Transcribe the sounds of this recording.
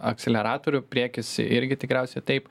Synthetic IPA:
ɐk̚tsʲɛlʲɛɾɑːt̪oːɾʲʊpʲɾʲiɛkʲɪsɪ̰ʔɪɾʲɡʲɪt̪ʲɪkɾʲɛʊsʲɛɪt̪ɐɪp

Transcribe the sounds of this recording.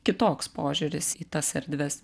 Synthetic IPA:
kʲɪt̪oːkspoːʒʲʊɾʲɪsiːt̪ɐsʲɛɾʲd̪ʲʋʲɛs

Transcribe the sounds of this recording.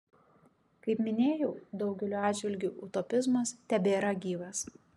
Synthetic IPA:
kɐɪpmʲɪnʲeːjɛʊd̪ɒʊɡʲɛlʲuːɑːd̪ʲd͡ʒʲʋʲɪlʲɡʲuːʔʊt̪ɔpʲɪzmɐst̪ʲɛbʲeːɾɐɡʲiːʋɐs

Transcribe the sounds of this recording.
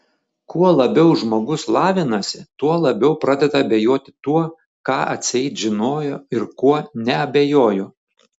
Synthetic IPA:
kuɔlˠɐbʲɛʊʒmoːɡʊslˠɑːʋʲɪnɐsʲɪt̪uɔlˠɐbʲɛʊpɾɑːd̪ʲɛd̪ɐɐbʲejoːt̪ʲɪ̥t̪uɔ | kɑːʔɐ̰t̪ʲsʲɪɛɪt̪ʒʲɪnoːjoɪɾkuɔnʲɛɐbʲejoːjoː

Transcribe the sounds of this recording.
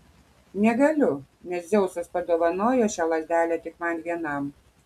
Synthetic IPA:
nʲɛɡɐlʲʊ | nʲɛszʲɛʊsɐspɐd̪oːʋɐnoːjoːʃʲæːlˠɐzʲd̪ʲæːlʲæt̪ʲɪkmɐnʋʲiɛnɐm

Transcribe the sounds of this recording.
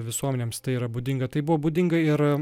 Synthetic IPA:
ʋʲɪsuɔmʲɛnʲeːmst̪ɐɪiɾɐbuːd̪ʲɪŋɡɐt̪ɐɪbʊʋoːbuːd̪ʲɪŋɡɐɪɾ

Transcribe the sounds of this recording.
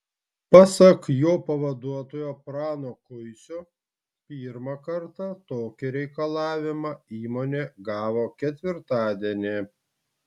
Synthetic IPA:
pɐsɐkjoːpɐʋɐd̪uɔt̪oːjoːpɾɑːnoːkʊɪsʲʊ | pʲiːɾmɐkɐɾt̪ɑt̪oːkʲɪɾʲɛɪkɐlˠɑːʋʲɪmɑiːmoːnʲeːɡɑːʋoːkʲɛt̪ʲʋʲɪɾt̪ɑːd̪ʲiɛnʲe

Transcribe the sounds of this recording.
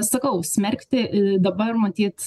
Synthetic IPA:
sɐkɐʊsʲmʲɛrʲkt̪ʲɪd̪ɐbɐrmɐt̪ʲiːt̪

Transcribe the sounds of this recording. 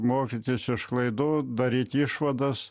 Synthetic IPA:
moːkʲit̪ʲisɪʃklˠɐɪd̪ʊd̪ɐɾʲiːt̪ʲiʃʋɐd̪ɐs

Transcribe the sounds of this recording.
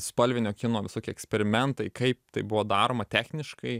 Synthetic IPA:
spɐlʲʋʲɪnʲoːkʲɪnoːʋʲɪsoːkʲiɛksʲpʲɛɾʲɪmʲɛnt̪ɐɪkɐɪp̚t̪ɐɪbʊʋoːd̪ɑːɾoːmɐt̪ʲæːxʲnʲɪʃkɐɪ

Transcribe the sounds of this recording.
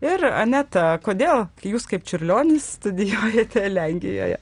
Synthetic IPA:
ɪɾɐ̰nʲɛt̪ɐkoːd̪ʲeːlˠjuːskɐɪp̚t͡ʃʲʊɾʲlʲoːnʲɪsst̪ʊd̪ʲɪjoːjɛt̪ʲɛlʲɛŋʲɡʲʋʲɪ̰jo̰ːjɛ̰

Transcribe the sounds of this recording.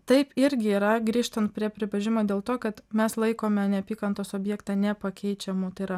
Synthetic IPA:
t̪ɐɪpɪɾʲɡʲɪiːɾɐɡɾʲiːʃt̪ɐnt̪̚pʲɾʲiɛpʲɾʲɪbɐʒʲɪmoːd̪ʲeːlˠt̪oːkɐt̪mʲɛslˠɐɪkoːmʲɛnʲɛɐpʲiːkɐnt̪oːsoːbʲjɛːkt̪ɑːnʲɛpɐkʲɛɪt͡ʃʲɛmut̪ɐɪɾɐ

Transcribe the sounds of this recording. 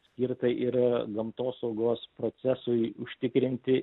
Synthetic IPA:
sʲkʲɪɾt̪ɐʔɪɾɡɐmt̪oːsɒʊɡoːspɾoːt̪sʲɛsʊɪʊʃʲt̪ʲɪkɾʲɪnʲt̪ʲɪ

